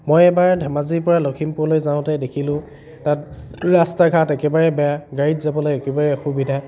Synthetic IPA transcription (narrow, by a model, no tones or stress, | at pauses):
mojɛbaɹdʱɛmaziɹpɔɹalokʰimpʊlojzãʊ̃tɛdekʰilʊ̃ | tatɹastaɡʰʱatɛkɛbaɹɛbɛaɡaɹitzabɔlojɛkɛbaɹɛxubidʱa